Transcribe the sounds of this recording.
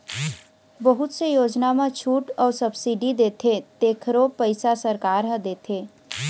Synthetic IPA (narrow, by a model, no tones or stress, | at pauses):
bəɦʊt̪sejoːd͡ʒnamãt͡ʃʰuːʈɔːɾsəbsiɖid̪eːt̪ʰet̪eːkʰɾopəɪsasəɾkaːɾɦə̃d̪eːt̪ʰeː